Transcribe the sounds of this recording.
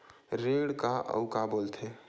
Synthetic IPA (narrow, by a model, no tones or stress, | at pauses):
ɾeɽkaʔə̰ʊkabolt̪ʰe